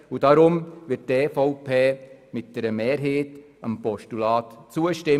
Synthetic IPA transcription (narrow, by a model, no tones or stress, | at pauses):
ud̥ɑɾʊmʋɪtteːfɔʊpʰeːmɪt̚d̥ɛɾəmeːɾɦeːt | əmpɔʃtulɑːtt͡suəʃtɪ